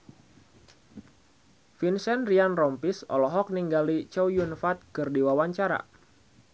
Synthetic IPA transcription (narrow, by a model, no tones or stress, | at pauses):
finsɛnrianrɔmpisɔ̰lɔɦɔk̚niŋɡalit͡ʃɔwjunfat̪̚kərdiwawaɲt͡ʃaɾa̰